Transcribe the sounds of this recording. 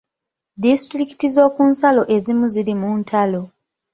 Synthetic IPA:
distɾiki̥tizo̞ːkunsalo̞ʔe̞zimuziɾimuntʰalo̞

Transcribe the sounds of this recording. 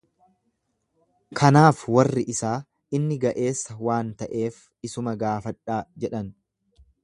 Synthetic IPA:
kʰɐnaːfwɐrːɪʔɪsaː | ɪnːɪɡɐʔe̞ːsːɐwaːnt̪ɐʔe̞ːf | ɪsʊmɐɡaːfɐᶑaːd͡ʒɛᶑɐn

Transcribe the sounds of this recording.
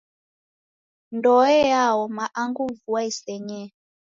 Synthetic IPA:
ndɔɛjawɔmaʔaŋɡuvuaisɛɲɛ

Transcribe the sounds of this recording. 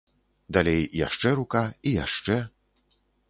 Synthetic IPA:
d̪alʲejja̰ʂt͡ʂɛɾukaija̰ʂt͡ʂɛ

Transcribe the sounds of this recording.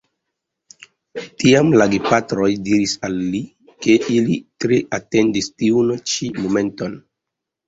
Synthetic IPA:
tiamlaɡepatɾo̞jdiɾisalːi | ke̞ʔilitɾeʔate̞ndistiunt͡ʃimome̞nto̞n

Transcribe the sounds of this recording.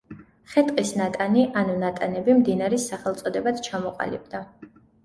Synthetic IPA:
χɛt̪ʼqʼisnat̪ʼaniʔanunat̪ʼanɛbimd̪inaɾɛsːaχɛlˠt̪sʼɔd̪ɛbad̪t͡ʃʰamɔqʼa̰lḭb̥̚d̪a

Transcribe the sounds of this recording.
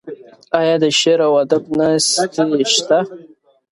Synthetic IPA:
ajad̪əʃeɾawad̪ɨbnastʰiʃt̪ʰa

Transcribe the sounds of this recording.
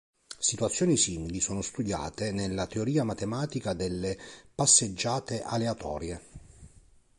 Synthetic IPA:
sit̪wat̪sːjoːnisiːmilisoːnost̪ud̪ja̰ːt̪enelːat̪eoɾiːamat̪emaːt̪ikad̪elːepasːed͡ʒːaːt̪eʔaleat̪ʰɔ̰ːɾje

